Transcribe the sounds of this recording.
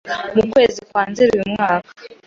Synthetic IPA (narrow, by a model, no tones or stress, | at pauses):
mukwe̞ːzikwaːnziɾiwimŋaːkḁ